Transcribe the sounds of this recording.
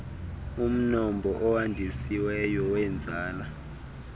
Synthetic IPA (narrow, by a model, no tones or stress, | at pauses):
um̩nɔmbʱɔʔɔwandʱisiwɛjɔwɛnd͡zʱaːla